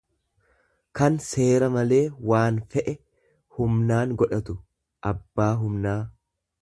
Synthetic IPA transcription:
kɐnse̞ːɾɐmɐle̞ːwaːnfɛʔɛ | hʊmnaːŋɡɔᶑɐt̪ʊ | ʔɐbːaːɦʊmnaː

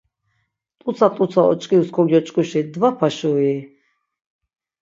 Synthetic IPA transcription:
t̪ʼusʰat̪ʼut͡s̪ʰaɔ̰t͡ʃʼkʼiwskʰɔɡjɔt͡ʃʼkʼuʃid̪vapʰaʃɔi

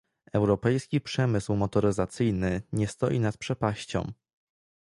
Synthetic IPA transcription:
ɛwɾɔpɛjskʲipʂɛmɘswmɔt̪ɔɾɘzat̪sɘjnɘɲɛst̪ɔ̰jḭnat̪̚pʂɛpaɕt͡ɕɔ̰̃m

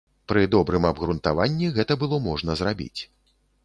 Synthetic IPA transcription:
pɾɨd̪ɔbɾɨmɐbɣɾunt̪avanʲːiɣɛt̪ɐbɨlˠɔmɔʐnɐzɾabʲḭt͡sʲ

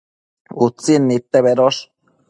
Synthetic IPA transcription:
ut͡sːinːit̪ːeβeɾoʃ

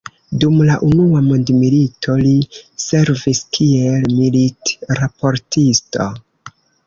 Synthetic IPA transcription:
dumlaʔunuamondmilitʰo̞lise̞ɾviskʰielmilitɾapo̞ɾtisto̞̰

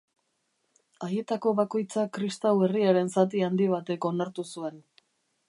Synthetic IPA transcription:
aje̞t̪ako̞βako̞jt͡sakɾist̪awe̞riaɾe̞nsat̪̬iand̪iβ̞at̪e̞ko̞naɾt̪usue̞n

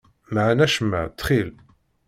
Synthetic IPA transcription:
maʕnæʃəmːə̰ʕt̪ːχil

